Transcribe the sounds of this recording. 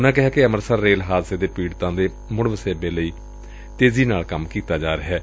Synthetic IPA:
ʊnãːkɪɦɛːkeəməɾsəɾːeːlɦaːd̪seːd̪eːpiːɽt̪ãːd̪eː | mʊɽʋəseːbeːləiː | t̪eːziːnaːlkəmkiːt̪aːd͡ʒaːɾəɦɛː

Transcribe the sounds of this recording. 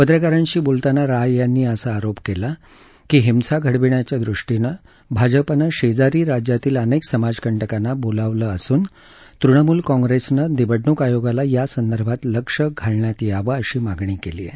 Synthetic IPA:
pəd̪ɾəkaɾaɲt͡ɕiːbolt̪anaɾajjanːiːəsaaɾopkela | kiːɦimsaɡʱəɽʋiɳjat͡ɕjad̪ɾuʂʈinə | bʱad͡ʑəpanaɕed͡zaɾiːɾad͡ʑjat̪iːləneksəmad͡zkəɳʈəkanːabolaʋləːəsuːn | t̪ɾuɳəmuːlkɔ̃ŋɡɾesnəd̪ibəɽnukajoɡalajasənd̪əɾbʱat̪ləkʂəɡʱaɭɳjat̪iaʋəəɕiːmaɡɳiːkelḭːjḛ

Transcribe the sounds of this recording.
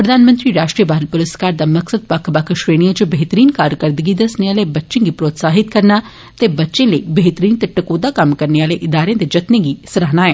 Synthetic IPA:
pɾəd̪aːnmə̃nt̪ɾiːɾaːʃʈɾiəbaːɾəlpʊɾəskaːɾd̪aːməksəd̪̚pəkʰbəkʰʃɾeːñiad͡ʒobeɦt̪əɾiːnkaːɾkəɾd̪əɡiːd̪əsneaːleːbətːʃẽːɡiːpɾoːt̪saːɦɪt̪̚kəɾnaː | t̪eːbətːʃẽːləibeɦt̪əɾiːnt̪eʈəkoːd̪aːkəmkəɾneːaːleːʔɪd̪aːɾẽːd̪eːd͡ʒət̪nẽːɡiːsəɾaːnaːɛː

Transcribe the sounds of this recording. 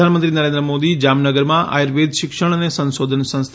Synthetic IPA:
anmənt̪ɾinəɾẽnd̪ɾəmoːd̪id͡ʒaːmnəɡəɾmãʔa̰jɾʋed̪ʱʃɪkʃəɽ̃ənesə̃nsod̪ʱənsə̃nst̪ʰ

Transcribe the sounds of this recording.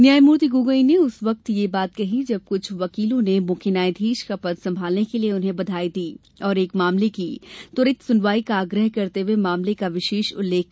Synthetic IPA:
njaːjmuːɾt̪iɡuːɡəineʊsʋɐk̚t̪jebaːt̪kɐɦid͡ʒɐb̚kʊt͡ʃʰʋɐkiːlõnemõːkʰɪnaːed̪ʱiːʃkɐpəd̪sɐ̃mbʱaːlnekelieʊnɦẽbɐd̪ʱaːid̪iː | ɔːɾeːkmaːmlekit̪ʊɾɪt̪sʊnʋaːikaːɡɾəɦkɐɾt̪euemaːmlekaʋɪʃeːʃʊ̰lːeːkʰː

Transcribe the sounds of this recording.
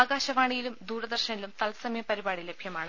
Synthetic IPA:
aːɡaːɕɐʋaːɳijilumd̪uːɾɐd̪ɐrɕɐnilumt̪ɐlsɐmjɐpɐɾibaːɽilebʱjɐmaːɳɨ

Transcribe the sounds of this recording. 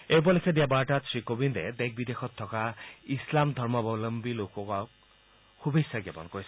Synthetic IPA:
ejbɔlekʰed̪iabaʈat̪sikobind̪ḛd̪ek̚ʰbid̪ekʰɔt̪ʰːɔkaislamd̪ʱɔɾmɔbɔwlɔmbilokɔkɔk̚ | hubesaɡebɔ̰nkɔis

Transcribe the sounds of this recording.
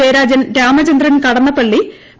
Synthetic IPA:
eːɾaːd͡ʑjɐnɾaːmɐt͡ɕɐnd̪rɐnkɐɽɐnːɐpɐɭːi

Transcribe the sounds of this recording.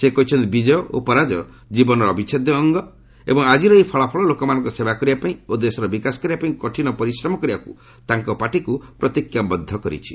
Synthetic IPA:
sekɔɦit͡ʃʰɔnt̪ibid͡ʒɔjɔʔo̰pɔɾad͡ʒɔ | d͡ʒibɔnɔɾɔɔbit͡ʃʰed̪jɔːŋɡɔ | ḛbɔŋad͡ʒiɾɔipʰɔɭapʰɔɭɔlokɔmanɔ̃ŋkusebakɔɾibapaĩod̪esɔɾɔbikasɔ̥kɔɾibapaĩkɔʈʰinɔpɔɾisɾɔmɔkɔɾibaku | t̪aŋkɔpaʈikupɾɔt̪ikjabɔd̪ʱːɔkɔɾḭt͡ʃʰi̥

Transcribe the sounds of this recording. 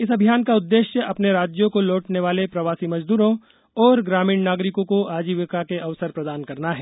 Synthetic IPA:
ɪsɐbʱijaːnkaʊd̪ːeːʃjəʔɐpneɾaːd͡ʒjõkolɔːʈneʋaːlepɾɐʋaːsimɐd͡ʒd̪uːɾõ | ɔːɾɡɾaːmiːɳnaːɡɾɪkõkoʔaːd͡ʒiːʋəkakeʔɐʋsəɾpɾɐd̪aːnkɐɾnaɦɛː

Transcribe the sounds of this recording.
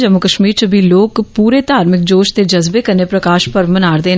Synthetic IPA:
d͡ʒəmʊkəʃmiːɾt͡ʃəbʱiːloːkpuːɾeːt̪aːɾmɪk̚d͡ʒoːʃt̪eːd͡ʒəzbeːkəɾneːpɾəkaːʃpəɾmənaːɾd̪eː

